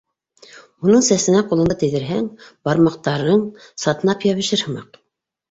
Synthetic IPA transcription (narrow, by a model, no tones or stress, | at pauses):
unɤɴsæsɘ̆næqulˠɤ̆nd̪ɑt̪ɘ̆ðɘ̆ɾɦæŋb̥ɑɾmɑq̚t̪ɑɾɤɴ | sɑt̪ɤ̆nɑpjɑβɘ̆ʃɘɾhɤ̆mɑq